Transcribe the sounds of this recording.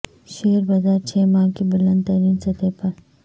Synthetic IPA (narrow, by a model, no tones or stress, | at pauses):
ʃeːɾbɐzaːɾt͡ʃʰeːmãːkebʊlɐ̃nd̪̚ɾiːnsɐt̪epɐɾ